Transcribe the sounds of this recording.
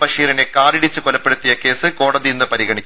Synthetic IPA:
bɐʂiːɾɐne̞kaːriɽit͡ɕːɨkolɐpːe̞ɽut̪ːijɐke̞ːsɨko̞ːɽɐðijenːɨpɐɾiɣɐɳikʲː

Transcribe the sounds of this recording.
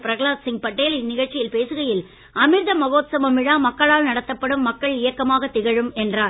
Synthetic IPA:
pɪɾɐɣɐɭaːsɪŋ̚pɐʈːeːlɪnɪɣɐɭt͡ʃːɪjɪlpeːsɯɣɐjɪl | ɐmɪɾðɐmɐɣoːt̪sɐmɐmɪɻaːmɐkːɐɭaːɻnɐɽɐt̪ːɐpːɐɽɯmːɐkːɐɭɪjɐkːɐmaːɣɐt̪ːɪɣɐɻɯmɛndraːɾ

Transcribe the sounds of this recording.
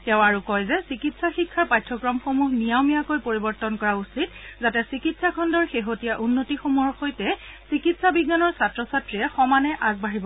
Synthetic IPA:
tɛʊ̃aɹukɔjzɛsikitsaxikʰːaɹpajtʰːɔkɹɔmxomuɦnijawmijakojpoɹibɔɹtɔnkɔɹausit̚zatɛsikitsakʰɔndɔɹxeɦotijaʔunːotixomuɦɔɹxojtɛsikitsabiɡːanɔɹsatɹɔsatɹiɛxɔmanɛʔaɡ̚baɦibɔ

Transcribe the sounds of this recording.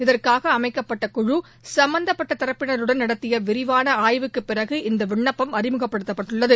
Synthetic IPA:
ɪðɐrkaːɣɐːmɐɪkːɐpːɐʈːɐkʊɻu | sɐmbɐnd̪ɐpːɐʈːɐt̪ɪɾɐpːɪnɐɾɯɽɐnnːɐɽɐt̪ːɪjɐʋɪɾɪʋaːnɐaːjʋɯkːɯpːɪrɐɣɯʔɪnd̪ɐʋɪɳːɐpːɐmɐɾɪmɯɣɐpːɐɽɯt̪ːɐpːɐʈːɯɭːɐðɯ

